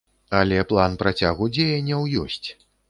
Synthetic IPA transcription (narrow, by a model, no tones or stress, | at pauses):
alʲɛplˠanpɾat͡sʲaɣud͡zʲejɐnʲːɐwjɔsʲt͡sʲ